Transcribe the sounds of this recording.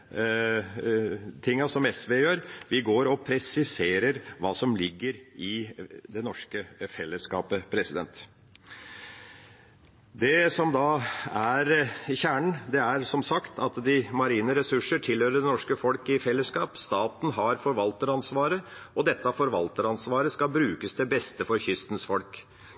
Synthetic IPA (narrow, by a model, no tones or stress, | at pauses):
t̪ʰɪŋːɑsɔmɛsʋeːjøːɾʋɪɡoːɾɔpʰɾɛsɪseːɾəɾʋɑːsɔmlɪɡːəɾɪd̪ɛnɔʂkəfɛlːəskɑːpəpʰɾɛsɪd̪ɛ̰nt̪ | d̪ɛsɔmd̪ɑæɾçæːɳɳ̩d̪ɛæɾsɔmsɑkt̪ʰɑt̪d̪ɪmɑɾiːnəɾɛsʉʂəʈʰɪlhøːɾəɖ̪ɛɛnɔʂkəfɔlkɪfɛlːəskɑːpst̪ɑːt̪n̩ɦɑɾfɔɾʋɑlt̪əɾɑnsʋɑːɾə | ɔd̪ɛt̪ːɑfɔɾʋɑlt̪əɾɑnsʋɑːɾəskɑbɾʉːkəsd̪ɛbɛst̪əfɔɾçʏst̪n̩sfɔlk